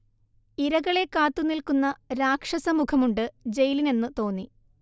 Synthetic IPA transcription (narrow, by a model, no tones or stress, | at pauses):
iɾɐɣɐɭe̞kːaːt̪ːunilkunːɐɾaːkʂɐsɐmukʰɐmuɳɖɨd͡ʑe̞jline̞nːɨt̪o̞ːnːi